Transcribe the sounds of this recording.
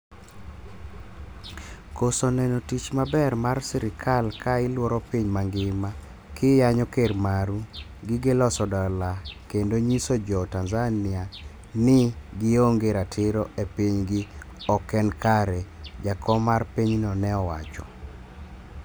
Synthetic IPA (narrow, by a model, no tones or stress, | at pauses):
kosɔnɛnotit͡ʃmabɛrmarsɛɾɪkʰalkʰaɪlwɔɾɔpiɲmaŋɡɪma | kʰɪjaɲɔkermaɾu | ɡɪɡɪlɔsɔdɔlakendoɲisod͡ʒɔtanzanɪa | nɪɡɪoŋɡeɾatʰɪɾɔepiɲɡɪ | ɔkɛnkaɾɛd͡ʒakʰɔmarpiɲnɔnɛɔwa̰t͡ʃɔ̰